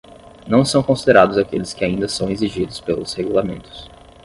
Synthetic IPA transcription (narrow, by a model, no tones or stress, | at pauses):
nɐ̃w̃sɐ̃w̃kõsid̪eɾad̪ʊzakelɪskɪaĩnd̪ɐsɐ̃w̃eziʒid̪ʊspelʊ̰sheɡulamḛ̃nt̪ʊ̥s